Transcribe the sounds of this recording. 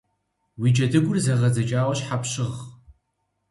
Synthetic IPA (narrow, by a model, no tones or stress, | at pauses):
wiːd͡ʒʼɐdɨɡʷʊrzɐʁɐzɐt͡ʃʼaːwɐɕħapɕɪʁ